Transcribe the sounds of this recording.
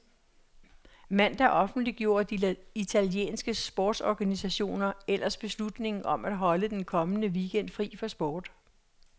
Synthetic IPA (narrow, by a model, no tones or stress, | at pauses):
mæn̰d̥ɑʔɒ̽fn̩d̥liɡ̥jo̝ːɐd̥iit͡sʰæljḛːnsɡ̥əsb̥ɒːd̥sɒɡ̥ænisæɕo̝̰ːnɐel̰ɐsb̥e̝slud̥ne̝ŋ̩ɒ̽mæd̥ɦɒ̽ləd̥enkʰɒ̽mənəʋiɡ̥en̰d̥fʁḭːfɒsb̥ɒːd̥